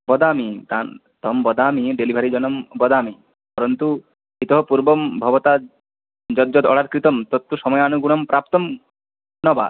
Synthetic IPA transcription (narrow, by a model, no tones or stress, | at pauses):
bɔd̪amit̪an | t̪ɔmbɔd̪amiɖelibʱaɾid͡ʒɔnɔmbɔd̪ami | pɔɾɔnt̪u | it̪ɔɦɔpuɾbɔmbʱɔbɔt̪a | d͡ʒɔd̪d͡ʒɔd̪ɔ̰ɽaɾkɾit̪ɔmt̪ɔt̪ːuʃɔmɔjeanuɡuɽ̃ɔmpɾap̚t̪ɔm | nɔba̰